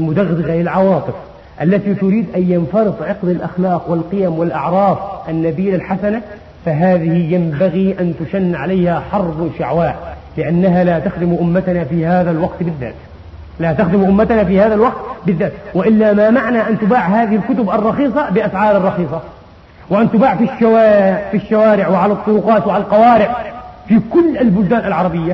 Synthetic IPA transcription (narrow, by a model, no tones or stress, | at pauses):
ʔlmʊd̪aɣd̪ɪɣalɪlʕɑwɑːt̪ˤɨf | ʔalːat̪it̪ʊɾiːd̪ʔajjanfɑɾɨd̪ˤʕɑqd̪alʔa̰xlɑːqwɪlqɪjamwɪlʔɑʕɾˤɑːfʔanːabiːlalħasana | faɦaːðɪhɪjambaɣiʔant̪ʊʃanːʕalajhaħɑɾˤbʃaʕwaːʔ | lɪʔanːaɦalaːt̪axd̪ɪmʔʊmːat̪nafiːhaːðalwɑqt̪bɪðːa̰ːt̪ | lat̪axd̪ɪmʔʊmːat̪anafiːhaːðalwɑq̚t̪bɪðːaːt̪wɪʔɪlːamamaʕnaʔant̪ʊbaːʕhaːðɪhɪlkʊt̪ʊbʔɑrˤːɑxiːsˤɑbɪʔasʕɑːɾɑrˤːɑxiːsˤɑ | wɪʔant̪ʊbaːʕfiʃːawafiʃːawaːɾɪʕwɪʕalɑt̪ˤːʊɾʊqɑːt̪wɪʕalalqɑwaːɾɪʕfikʊlːʔalbʊld̪aːnalʕɑɾˤɑbɪjːa